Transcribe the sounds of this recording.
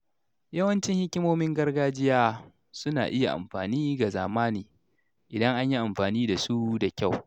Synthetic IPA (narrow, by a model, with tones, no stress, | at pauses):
jɐ˦wɐ˦nt͡ʃɪ˦ŋhɪ˦kʲɪ˦moː˦mɪ˦ŋɡɐ˦rɡaː˦d͡ʒɪ˦jaː˦ | sʊ˦na̰ː˨ʔɪ˦ja̰˨ʔa̰˨mɸaː˨niː˦ɡa˨zaː˨maː˦niː˨ | ʔɪ˨dɐ˦ŋʔa˦ɲji˦ʔa˨mɸaː˨niː˦da˨su˦da˨kʲa˦˨w